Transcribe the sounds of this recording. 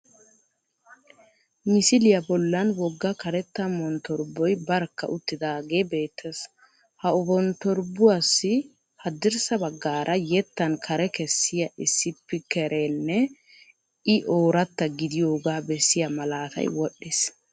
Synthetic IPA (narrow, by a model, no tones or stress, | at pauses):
mɪsɪlɪjɐbɔlːɐnwɔɡːɐkɐɾɛt̪ːɐmːɔnt̪ɔɾbɔjbɐɾkːɐ̰ʔʊt̪ːɪd̪aːɡeːbe̞ːt̪ʰːes | hɐʊbɔnt̪ɔɾbʊwasːɪ | hɐd̪ːɪɾsɐbɐɡːaːɾʔɐjɛt̪ːɐnkʰɐɾɛkɛsːɪjɐʔɪsːɪpːɪkɛɾʔenːɛ | ɪʔoːɾɐt̪ːɐɡɪd̪ɪjo̞ːɡaːbɛsːɪjɐmɐlaːt̪ɐ̰jwɔɗːɪs